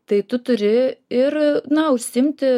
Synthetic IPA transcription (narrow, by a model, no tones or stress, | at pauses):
t̪ɐɪt̪ʊt̪ʊɾʲɪɪɾnɐʊʃʲsʲɪmʲt̪ʲɪ